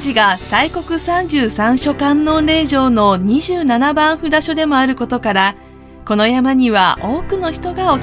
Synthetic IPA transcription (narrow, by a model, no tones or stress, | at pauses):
d͡ʑiɡasaiko̞kɯ̟sãɲ̟d͡ʑɨːsãɰ̃ɕo̞kãnːõ̞nɾe̞ːʑo̞ːno̞ɲ̟iʑɨːnanabãɰ̃ɸɯ̟d̪aɕo̞d̪e̞mo̞aɾɯ̟ko̞t̪o̞kaɾa | ko̞no̞jamaɲ̟iβaʔo̞ːkɯ̟no̞çi̥t̪o̞ɡao̞